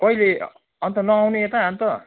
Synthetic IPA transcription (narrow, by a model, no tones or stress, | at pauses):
kʌile | ʌnt̪ʌnʌawneet̪ʌɦamt̪ʌ